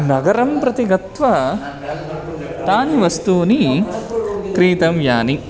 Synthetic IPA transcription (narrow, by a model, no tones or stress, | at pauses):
nɐɡɐɾɐmpɾɐt̪iɡɐt̪ʋɐ | t̪aːniʋɐst̪uːni | kɾiːt̪ɐmjaːni